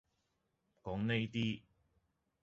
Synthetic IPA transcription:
kɔː˨˥ŋne˥jt̪iː˥

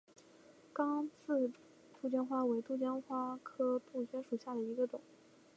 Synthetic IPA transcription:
kɑ˥ŋt͡sʰɹ̩˥˧ | t̪u˥˩t͡ɕjɑ˥nxwa˥we˧˥ɪt̪u˥˩t͡ɕjɑ˥nxwa˥kʰɤ˥p̪u˥˩t͡ɕɥɛ˥nʂu˨˩ɕja˥˩d̪ə˩i˧˥ɡə˧ʈ͡ʂʊ˨˩˦

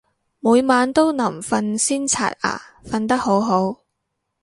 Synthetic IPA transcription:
muː˨˧jmaː˨˧nt̪o˥wnɐ˨˩mfɐ˧nsiː˥nt͡sʰa̰ː˨t̚a̰ː˨˩fɐ˧nt̪ɐ˥k̚ho˨˥wɦo˨˥w

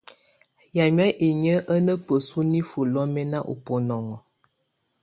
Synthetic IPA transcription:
ja˨m˦a˦ʔi˨ɲə˦ʔə˦nə˦pə˨su˦ni˦fu˨lɔ˦mɛ˦na˦ʔṵ˨pɔ˨nɔ˨ŋɔ˨

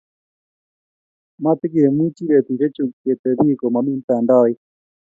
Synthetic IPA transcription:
ma˦t̪e˦ɣi˨ɾɛ˨mwi˦t͡ʃi˦ɾɛ˨t̪i˨ɾɛ˦t͡ʃu˨ke˨t̪ɛ˨βi˦ko˨ma˨mi˦nt̪a˨nda˦e˦

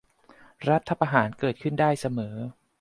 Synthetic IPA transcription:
ɾa˦˥t̪ʰːa˧pa˧ɦaː˩˦nkɤː˨˩t̪̚kʰɯ˥˩ndaː˥˩jsa˧mɤː˩˦

